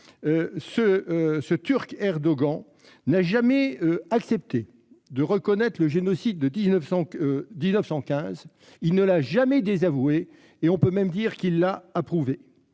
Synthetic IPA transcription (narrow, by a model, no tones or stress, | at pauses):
øsəsət̪yʁkɛʁd̪ɔɡɑ̃ | naʒamɛøaksɛp̚t̪e | d̪əʁəkɔnɛt̪χləʒenɔsid̪ːəd̪iznəfsɑ̃d̪iznəfsɑ̃kʲɛ̃z | ilnəlaʒamɛd̪ezavue | eɔ̃pømɛmd̪iʁkilːaːpχuve